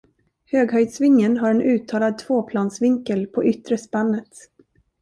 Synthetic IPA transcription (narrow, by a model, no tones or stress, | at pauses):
høːɡɦœjd̪svɪŋːənɦaɾɛnʔʉ̟ːt̪ʰːɑːlad̪̚t̪ʰvoːpʰlɑːnsvɪŋkəlpʰɔʔʏt̪ːɾəspanːət̪